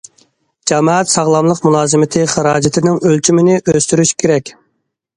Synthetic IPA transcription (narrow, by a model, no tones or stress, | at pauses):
d͡ʒɛmɑːɛt̪sɑʁlˠɑmlˠəqmulˠɑːzɨmɪt̪ʰɨχəɾɑːd͡ʒɪt̪ʰɪnɪŋølt͡ʃʰymɪnɪʔøst̪yɾyʃkʲʰeɾɛkʲ